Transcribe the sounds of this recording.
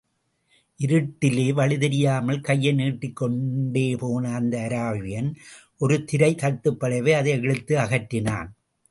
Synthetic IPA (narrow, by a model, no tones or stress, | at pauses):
ʔɪɾɯʈːɪleːʋɐɭɪðɐɾɪjaːmɐlkɐjːɐɪniːʈːɪkːɔɳɖeːpoːnɐːnd̪ɐːɾaːʋɪjɐn | ʔɔɾɯt̪ɪɾɐɪk̪ɐt̪ːɯpːɐɭɐʋeɐðɐɪɛɻɯt̪ːɯɐɣɐʈːɪna̰ːn